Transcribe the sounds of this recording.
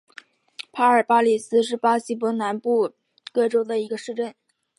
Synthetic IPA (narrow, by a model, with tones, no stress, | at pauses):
pʰa˥ə˞˨˩pa˥li˨˩sɹ̩˥ʂɻ̩˥˩pa˥ɕi˥p̬wɔ˧˥na˧˥npu˥˩ | kɤ˥˩ʈ͡ʂo˥ʊd̪ə˨i˧˥ɡə˧ʂɻ̩˥˧ʈ͡ʂə˥˩n